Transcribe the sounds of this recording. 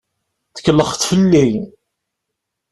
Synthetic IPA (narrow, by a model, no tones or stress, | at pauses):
θə̥kːlːəχt̪fəlːi